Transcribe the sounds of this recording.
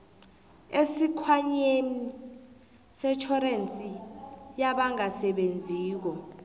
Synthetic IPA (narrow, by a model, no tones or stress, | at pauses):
esikʰwaɲemi | sɛt͡ʃʰɔɾent͡sʼijaɓaŋasɛɓend͡zʱiːk̬ɔ